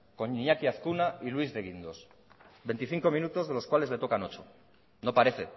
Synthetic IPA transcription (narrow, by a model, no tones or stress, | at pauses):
ko̞ɲiɲakiaθkunailwizðe̞ɣ̞ind̪o̞s | be̞jnt̪iθiŋko̞mĩnut̪o̞zðelo̞skwale̞zle̞t̪o̞kano̞t͡ʃo | no̞paɾe̞θe̞